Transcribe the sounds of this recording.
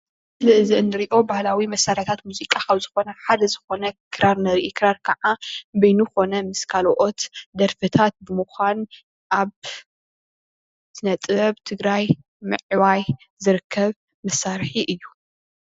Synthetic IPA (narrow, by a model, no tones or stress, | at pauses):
ɨlɨʔɨziɨnd̪ɨɾiʔo̞bahlawimɐsːaɾhat̪ʰat̪muzikʼakʰɐβzɨxo̞nɐħad̪ɐzɨxo̞nɐkʰɨɾaɾnɐɾiʔikʰɨɾaɾkʰɐʕabɐjnuxo̞nɐmɨskʰaloʔo̞t̪d̪ɐɾfɨt̪ʰat̪̚bɨmɨxʷan | ʔaβ | tʰɨnɐt̪ʼɐβt̪ʰɨɡɾaj | mɨʕwaj | zɨɾɨkʰːɐβ | mɐsːaɾħiʔɨjːu